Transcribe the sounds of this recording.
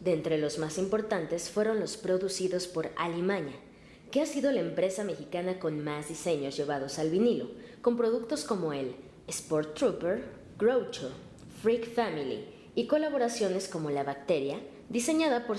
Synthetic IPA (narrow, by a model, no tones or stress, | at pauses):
d̪e̞nt̪ɾe̞lo̞zmasimpo̞ɾt̪ant̪e̞sfwe̞ɾo̞nlo̞spɾo̞ðusiðo̞spo̞ɾa̰limãɲa | ke̞asiðo̞laempɾe̞same̞xikanako̞nmazðise̞ɲo̞zʝe̞β̞að̞o̞salβiniloko̞mpɾo̞ð̞ukt̪o̞sko̞mo̞e̞l | espoɾt̪ːɾupeɾ | ɡ̥ɾowt͡ʃo | fɾikfamilḭ | iko̞laβ̞o̞ɾasjo̞ne̞sko̞mo̞laβak̚t̪e̞ɾja | ðise̞ɲaðapo̞ɾ